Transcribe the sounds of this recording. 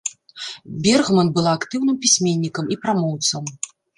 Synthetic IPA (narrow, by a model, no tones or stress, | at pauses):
bʲɛrɣmɐnbɨlˠaːkt̪ɨwnɨmpʲisʲmʲenʲːikɐmipɾamɔwt̪sɐm